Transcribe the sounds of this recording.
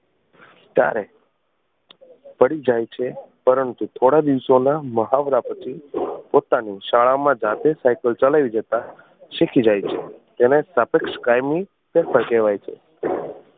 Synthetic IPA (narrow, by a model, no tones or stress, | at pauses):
t̪ja̰ɾɛ | pəɽid͡ʒajt͡ʃʰepəɾənt̪ut̪ʰoɽad̪iʋsonaməɦaʋɾapət͡ʃʰipot̪aniʃaɭamãd͡ʒat̪esajkəlt͡ʃalaʋid͡ʒət̪a | ʃekʰid͡ʒajt͡ʃʰḛt̪enesəpekʃkajmi | pɛpʰəɾkeʋajt͡ʃʰḛ